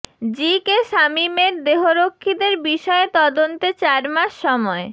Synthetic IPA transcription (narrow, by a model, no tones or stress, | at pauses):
d͡ʑikeʃamimeɾd̪eɦoɾokʰːid̪eɾbiʃɔet̪ɔd̪ont̪et͡ɕaɾmaʃːɔmɔe